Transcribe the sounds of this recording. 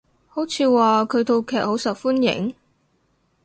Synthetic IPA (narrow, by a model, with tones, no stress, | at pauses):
ho˨˥wt͡sʰiː˨˧waː˨kʰɵ˨˧ɥt̪ʰo˧wkʰɛː˨k̚ho˨˥wsɐ˨˩k̚fuː˥njɪ̰˨˥ŋ